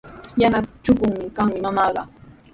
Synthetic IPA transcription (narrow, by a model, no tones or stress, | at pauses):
janat͡ʃʊkʊŋmɪkaŋmɪmamɑːɢɑ̰